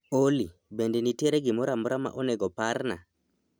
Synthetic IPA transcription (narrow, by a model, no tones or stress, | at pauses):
oli | bendeniteɾeɡɪmɔɾamɔɾama̰ʔɔnɛɡɔpaɾna̰